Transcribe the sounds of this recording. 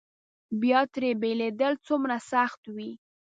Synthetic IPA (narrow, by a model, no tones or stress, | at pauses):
bjɑt̪ɾebeled̪əlt͡sumɾasaxt̪wi